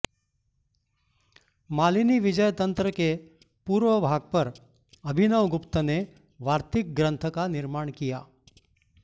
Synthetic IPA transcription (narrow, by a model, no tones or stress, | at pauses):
maliniʋɪd͡ʒəjt̪ənt̪ɾəke | puɾʋəbʱaɡ̚pəɾ | əbʱinəʋɡʊpt̪əne | ʋaɾt̪ɪk̚ɡɾə̃nt̪ʰəkanɪɾmaɳkija